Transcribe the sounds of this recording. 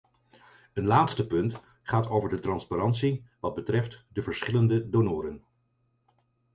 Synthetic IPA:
ənlaːtstəpɵnt | χaːtowvəɹdətrɑnspaɾɑntsiʋɑd̚bətrɛftdəvəɹsχɪləndədonʊːɾən

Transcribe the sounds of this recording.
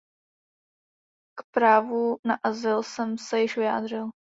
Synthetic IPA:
kpɾaːvunaʔazɪlsɛmsɛjɪʃvɪja̰ːd̪r̝ɪl

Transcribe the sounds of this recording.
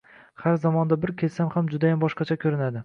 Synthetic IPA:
haɾzamɒnd̪abɪɾkʲʰe̞lsamhamd͡ʒʊd̪ajambɒʃqɑt͡ʃʰakʲʰɵɾɪnad̪ɪ

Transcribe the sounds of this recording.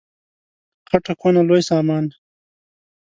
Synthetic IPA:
χaʈakʰonalojsɑːmɑːn

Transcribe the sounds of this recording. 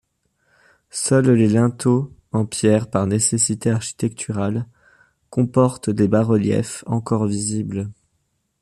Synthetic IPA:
sœllelɛ̃t̪oɑ̃pjɛʁpaʁnesesit̪eaʁʃi̥t̪ɛk̚t̪ʰyʁal | kɔ̃pɔʁt̪d̪ebaʁəljɛ̰fɑ̃kɔʁvizibl

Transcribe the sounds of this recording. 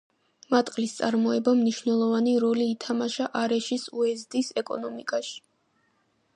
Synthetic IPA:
mat̪ʼqʼlist̪sʼaɾmɔɛbamniʃvnɛlˠɔvaniɾɔliːt̪ʰamaʃaʔaɾɛʃisuɛzd̪isɛkʼɔ̰nɔmikʼaʃi̥

